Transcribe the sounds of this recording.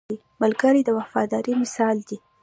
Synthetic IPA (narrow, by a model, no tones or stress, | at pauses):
i | mʊlɡəɾid̪əwafɑd̪ɑɾimɪsɑld̪i